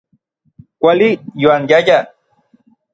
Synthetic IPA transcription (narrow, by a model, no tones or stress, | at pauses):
kʷalijwaŋjaʎa